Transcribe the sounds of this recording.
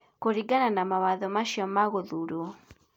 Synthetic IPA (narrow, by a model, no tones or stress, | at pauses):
koɾiɡananamawaðɔmaʃiɔmaɣoðuɾo